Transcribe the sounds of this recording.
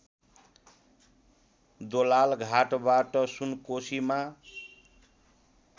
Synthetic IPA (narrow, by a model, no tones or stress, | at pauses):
d̪olalɡʱaʈbaʈʌsunkosima